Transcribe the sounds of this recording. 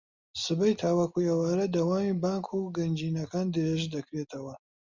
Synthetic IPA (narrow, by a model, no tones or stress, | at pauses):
sɨbɐjt̪ʰaːwakujɐwaːɾɐd̪ɐwaːmiːbaːŋkʰuːɡɐnd͡ʒiːnɐkaːnd̪ɨɾeːʒd̪ɐkɾeːt̪ʰɐwɐ